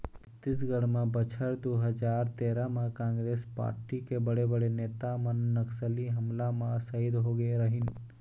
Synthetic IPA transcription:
t̪ːisɡɐɽmãbɐt͡ʃʰəɾd̪oɦɐd͡ʒaːɾt̪eːɾamãkãːŋɡɾeːspa̰ːɾʈikebɐɽebɐɽeneːt̪amɐnːɐksəliɦɐmlamãsɐid̪ɦoɡeɾɐɦin

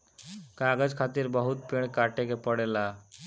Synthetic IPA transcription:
kaɡəd͡ʒkʰaːt̪iɾbəɦut̪peɳkaʈekepəɽela

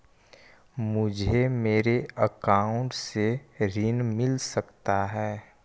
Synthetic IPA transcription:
mʊd͡ʒʱemeːɾeəkaːʊ̃ɳʈseɾɪnmɪlsəkt̪aɦɛː

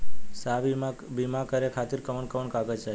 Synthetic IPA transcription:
sabbimakəɾekʰat̪iɾkəʋəɳkəʋəɳkaɡəd͡ʒd͡ʒa

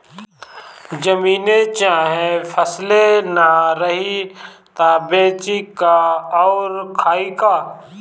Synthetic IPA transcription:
d͡ʒəmiːnet͡ʃaːɦẽfʰəslenaɾəɦit̪aːbeːt͡ʃikaɔːɾkʰaːikaː

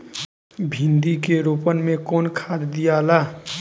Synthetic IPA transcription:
bʱĩnd̪ikeɾopənmekɔːnkʰad̪ːijaːla

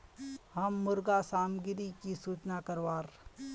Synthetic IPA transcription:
ɦɐmːʊɾɡasaːmɡɪɾikisuːt͡ʃnakɐɾʋaːɾ

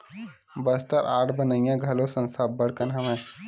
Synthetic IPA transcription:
bəst̪əɾʔaːʈʰbənəijãɡʱɐlosə̃nst̪ʰabbəɽkənɦɐmẽ

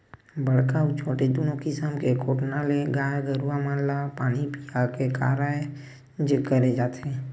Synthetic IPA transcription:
bəɽkaut͡ʃʰoʈed̪unokɪsəmkekoʈnaleɡaɾɡəɾuʋamãnlapaɽ̃ipiakeka̰ɾaj | d͡ʒkəɾed͡ʒat̪ʰe

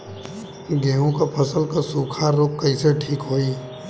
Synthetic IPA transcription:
ɡeːɦõkapʰəsəlkasuːkʰaɾoːkːɐiseʈʰiːkɦoːiː

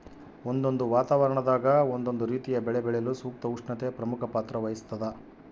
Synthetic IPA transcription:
ond̪o̞nd̪uʋaːt̪aːʋɐɾɐɳɐd̪aːɡɐond̪o̞nd̪uɾiːt̪ijɐbɛɭebɛɭejɐlusuːk̚t̪ɐuʂɳɐt̪epɾɐmukʰɐpaːt̪ɾɐʋɐjist̪ːɐd̪ɐ

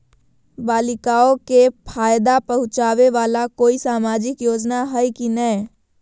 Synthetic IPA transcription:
baːlɪkaokepʰaːjd̪apəɦʊ̃t͡ʃaːʋeʋaːlakoːisaːmad͡ʒɪkjoːd͡ʒnaɦəjkinəj

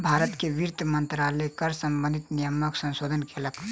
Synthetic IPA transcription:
bʱaɾət̪kebiɾt̪ʰmənt̪ɾalɛkəɾsəmbə̃nd̪ʱit̪nijəməksə̃nsod̪ʱənkelək

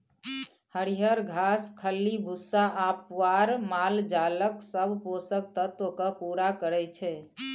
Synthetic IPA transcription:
həɾiɦəɾɡʱaskʰəlːibʱusaʔapʋaɾmald͡ʒaləksəbʱposək̚t̪ət̪wəkəpuɾakəɾɛt͡ʃʰɛ

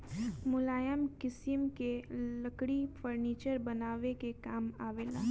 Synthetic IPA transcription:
mʊlaːjəmkɪsjəmkeləkɽifʰəɾniːt͡ʃəɾbɐnaːʋekekaːmaːʋeːla̰ː

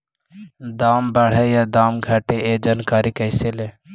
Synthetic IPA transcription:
d̪aːmbəɽ̤ɛjaːd̪aːmɡʱaːʈeeːd͡ʒaːnkaːɾikəɪseleː

